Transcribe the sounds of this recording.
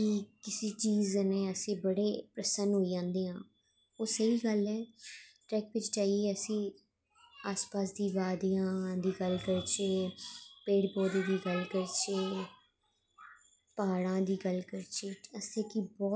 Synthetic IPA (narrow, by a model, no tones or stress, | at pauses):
kiːkɪsiːt͡ʃiːzneːəsĩːbəɽeːpɾəsənɦoːid͡ʒãːnd̪eːɦãː | oːsəɦiːɡəlɛːʈɾɛːkʋɪt͡ʃt͡ʃaːieːəsĩː | aːspaːsd̪iːʋaːd̪ijãːd̪iːɡəlɡəɾt͡ʃeːpeːɽpoːd̪iːd̪iːɡəlkəɾt͡ʃeː | paːɽãːd̪iːɡəlkəɾt͡ʃeːəst̪ekiːbɔː